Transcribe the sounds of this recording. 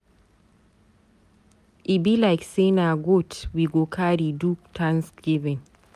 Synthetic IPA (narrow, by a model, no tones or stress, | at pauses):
ʔibilaɪksenaɡotwiɡokʰaɾiduk̚tʰãnsɡ̥ivɛ̃n